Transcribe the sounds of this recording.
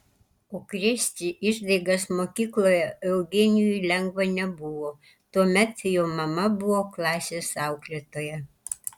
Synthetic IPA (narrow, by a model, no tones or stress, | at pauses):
oːkɾʲɪsʲt̪ʲiʔɪʒd̪ɐɪɡɐsmoːkʲiːklˠoːjɛɛʊɡʲɪnʲjulʲɛŋɡʋɐnʲɛbʊʋoː | t̪uɔmʲɛt̪joːmɐmɐbʊʋoːklˠɑːsʲeːsɑˑʊklʲet̪oːjɛ